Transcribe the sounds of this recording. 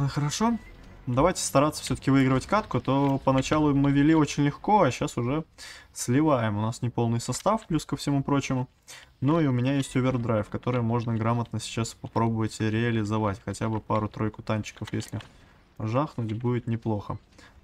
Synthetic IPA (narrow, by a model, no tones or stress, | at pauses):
xəɾɐʂo̞ | d̪ɐvajtʲɪ̥st̪ɐɾat̪sə̥fsʲɵt̪ə̥kʲɪvɨiɡɾəvətʲkat̪kʊt̪o̞pənɐt͡ɕalˠʊmɨvʲɪlʲiot͡ɕɪnʲlʲɪxko̞ɐɕːasʊʐɛsʲlʲɪvajɪmʊnasnʲɪpo̞lˠnɨjsɐst̪afplʲuskəfsʲɪmupɾo̞t͡ɕɪmʊ | nuiʊmʲɪnʲajesʲtʲʊbʲɪrd̪ɾajɪfkɐt̪o̞ɾɨjəmo̞ʐnəɡɾamət̪̚nəsʲɪ̥t͡ɕaspɐpɾo̞bəvətʲɾʲɪɐlʲɪzɐvatʲxɐtʲabɨpaɾʊt̪ɾo̞jkʊt̪anʲt͡ɕɪ̥kəfjesʲlʲɪ | ʐaxnʊtʲbudʲɪt̪nʲɪplˠo̞xə